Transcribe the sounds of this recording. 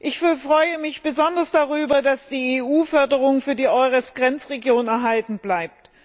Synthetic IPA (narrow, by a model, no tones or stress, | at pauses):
ʔɪçffʁ̥ɔʏəmɪçb̥əzɔndɐsd̥aʁyːbɐdasd̥iːeːʔuːfœɐdəʁʊŋəfyːɐdiːʔɔʁɛsɡ̥ʁɛnt͡sʁeɡjoːnɛɐɦaltn̩b̥laɪp̚t